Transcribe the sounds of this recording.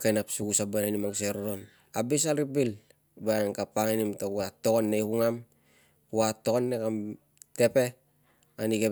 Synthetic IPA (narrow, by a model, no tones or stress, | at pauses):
kajnapsuɡusabananimaŋseɾoɾon | abis̬alɾibil | baŋkapaŋinimtakuato̞konːejkuŋam | uatokonːekam | te̞pe̞ | aniɡe